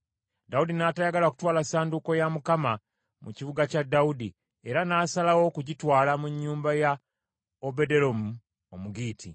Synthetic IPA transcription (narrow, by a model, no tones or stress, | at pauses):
daudinaːtajaɡalaku̥twaːlasaːnduko̞jamukama | mṵcivuɡacadːaudi | e̞ɾanaːsalawo̞kuɟitwaːlamuɲːuːmbaja | obe̞de̞ɾomu | omuɡiːtʰi